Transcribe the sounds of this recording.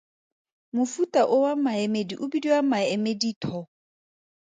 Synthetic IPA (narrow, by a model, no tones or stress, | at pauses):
mufutʼaʔʊwamaɛmediʔʊbidiwamaɛmeditʰɔ